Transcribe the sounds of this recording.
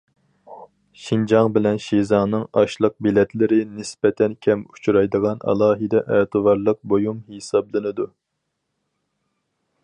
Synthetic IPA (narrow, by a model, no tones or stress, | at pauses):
ʃind͡ʒɑŋbɪlɛnʃezɑŋnɨŋɑʃlˠəq̚bilɛt̪ʰlɪɾɪnɪspɛt̪ʰɛnkʲʰɛmu̥t͡ʃʰɾɑjd̪əʁɑnʔɑ̰lˠɑːɦɨd̪ɛʔɛt̪ʰɨvɑɾlˠəq̚bojumhesɑblˠɨnɨd̪u